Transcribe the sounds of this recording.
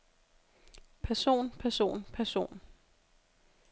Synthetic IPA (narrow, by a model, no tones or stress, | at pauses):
pʰæɐso̝̰ːnpʰæɐso̝̰ːnpʰæɐso̝̰ːn